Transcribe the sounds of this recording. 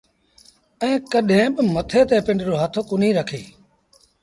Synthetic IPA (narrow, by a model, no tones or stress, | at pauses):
ɛ̃ːkəɗɦẽːɓɪmət̪ʰeːt̪ẽːpɪ̃ɳɖɾoːɦaːt̪ʰoːkʊn̤ĩːɾəkʰḛː